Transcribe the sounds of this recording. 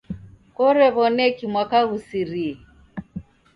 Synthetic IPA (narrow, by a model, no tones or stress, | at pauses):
kɔɾɛβɔnɛkimwakaɣusiɾiɛ